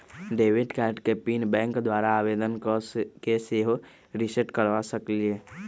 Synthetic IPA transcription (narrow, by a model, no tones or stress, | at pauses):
ɖeːʋɪɖkɛːɾʈkepiːnbɛ̃ːŋkd̪waːɾaaːʋeːd̪ənkokeseːɦ | ɾɪsəʈkəɾʋasəklie